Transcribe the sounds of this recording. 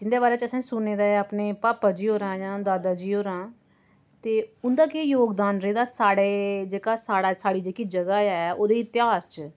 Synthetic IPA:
d͡ʒɪnd̪eːβaːɾeːt͡ʃəsãːsʊneːd̪aːaːpneːpaːpaːd͡ʒiːɦoːɾãːjãːd̪aːd̪aːd͡ʒiːɦoːɾãː | t̪eːʊnd̪aːkejoːɡd̪aːnɾeːd̪aːsaːɽeːd͡ʒeːkaːsaːɽaːsaːɽiːd͡ʒeːkiːd͡ʒəɡaːɛːoːd̪eːɪt̪ɪɦaːst͡ʃ

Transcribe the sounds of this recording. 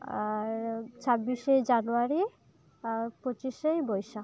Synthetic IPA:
t͡ɕʰabːiʃejd͡ʑanuaɾi | pot͡ɕiʃejbɔjʃa

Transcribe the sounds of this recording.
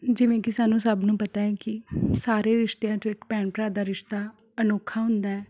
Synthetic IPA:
d͡ʒɪʋẽːkɪsaːnːũːsəbnũːpət̪aːɛːkɪsaːɾeːɾɪʃt̪ejãːt͡ʃõːɪkpɛːɳpɾaːd̪aːɾɪʃt̪aː | ənoːkʰːaːɦʊ̃nd̪aːɛː

